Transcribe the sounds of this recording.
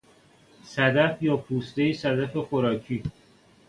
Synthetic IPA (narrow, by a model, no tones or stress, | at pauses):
sæd̪æfjɒːpʰuːst̪ejisæd̪æfexoɾɒːcʰiː